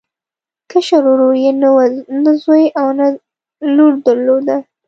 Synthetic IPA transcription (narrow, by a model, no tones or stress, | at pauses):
kəʃaɾoɾojennazojʔawna | luɽd̪əɾlod̪a